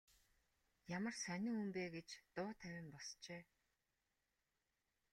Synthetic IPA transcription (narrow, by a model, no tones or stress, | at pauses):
jamə̆rsænʲɪ̆ŋumpeːɡet͡ɕt̪ʊːt̪ʰæwʲɪ̆mpɔst͡ɕeː